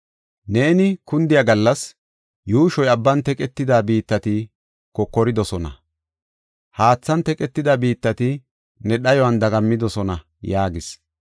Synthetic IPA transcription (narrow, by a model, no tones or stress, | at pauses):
ne̞ːnɪkʊnd̪ɪjɐɡɐlːɐs | juːʃɔjɐbːɐnt̪ɛkʼɛt̪ːɪd̪aːbiːt̪ːɐt̪ɪ | kɔkːɔɾɪd̪ɔsɔnɐ̰ | haːt͡sːɐnt̪ɛkʼɛt̪ːɪd̪abiːt̪ːɐt̪ɪ | nɛɗɐjɔwɐnd̪ɐɡɐmːɪd̪ɔsɔnɐ | jaːɡɪs